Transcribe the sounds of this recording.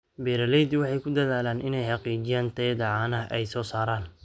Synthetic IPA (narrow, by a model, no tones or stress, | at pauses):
bɛːɾɐlɛjd̪wɑħɑjkʰʊd̪ɐðaːlaːnʔɪnɛjħɑqiːt͡ʃɪjaːnt̪ʰɛjd̪ɐʕɑːnɐʔɛjsɔːsaːɾaːn